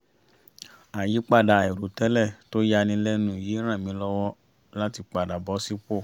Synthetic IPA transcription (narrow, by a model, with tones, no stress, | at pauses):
a˨ji˨˦k͡pa˦˨da˨ɛ˨ɾu˨˦tɛ˦lɛ˦˨to˦ja˧nĩ˧lɛ˦nũ˨je˨˦ɾ̃ã˦˨mĩ˨˦lɔ˧˦wɔ˦ | la˦ti˧k͡pa˨da˨bɔ˨˦si˦k͡po˦˨